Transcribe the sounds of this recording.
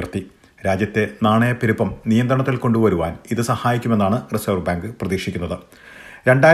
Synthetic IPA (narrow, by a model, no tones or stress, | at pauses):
rt̪ːi | ɾaːd͡ʑjɐt̪ːe̞naːɳejpiɾupːɐmnijɐnd̪ɾrɐɳɐt̪ːilko̞ɳɖuʋɐɾuʋaːniðɨsɐhaːjikʲːume̞nːaːɳɨrisɐːrbaːŋɡɨprɐðiːʂikʲːunːɐðɨ | ɾe̞ɳɖaː